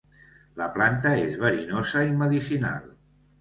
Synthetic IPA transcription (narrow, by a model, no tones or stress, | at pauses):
ləplant̪əezβəɾinozəiməðisina̰lˠ